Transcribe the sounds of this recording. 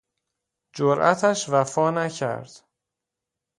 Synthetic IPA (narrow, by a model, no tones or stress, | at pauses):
d͡ʒoɾʔæ̰t̪ʰæʃvæfɒːnæcʰæ̰ɾd̪̥